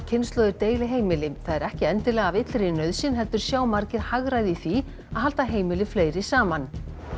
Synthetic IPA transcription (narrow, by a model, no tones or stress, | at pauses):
cʰɪnst̪lɔːðʏɾt̪eːjlɪɦeːjmɪlɪθaðɛɾɛhcɪɛnt̪ɪlɛːɣavɪt̪lɾɪnœɥðsɪnɦɛlt̪ʏɾ̥sjaːwmaɾcɪɾhaɣɾaðiθi | aðhɦalt̪aɦeːjmɪlɪfleːjɾɪsaːman